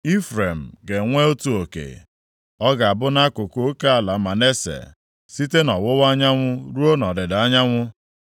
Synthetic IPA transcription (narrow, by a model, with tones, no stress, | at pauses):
i˦fɾe˨m̩˨ɡe˨ŋʷe˦o˦tu˦o˨kḛ˨ | ɔ˦ɡa˨a˨bʊ˦na˦kʊ˨ko˦ke˦a˨la˨˦ma˨ne˦sḛ˨ | si˦te˦nɔ˨wʊ˦wa˦ɲa˦ŋʷʊ˦ɾu˦o˦nɔ˨dɪ˨da˦ɲa˦ŋʷʊ˦